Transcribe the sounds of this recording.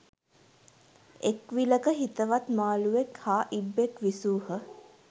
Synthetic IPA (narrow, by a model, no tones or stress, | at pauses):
ekʋiləkəɦit̪əʋat̪maːluʋekhaːʔibːekʋisuːhə